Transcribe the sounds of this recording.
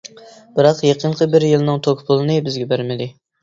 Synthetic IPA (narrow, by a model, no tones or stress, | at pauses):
b̥ɪɾɑqjeqʰəɴqʰəbɪɾjilˠnɨŋt̪ʰokʲʰpʰʊlˠɨnɨbɪzɡʲɛbæɾmɪd̪ɪ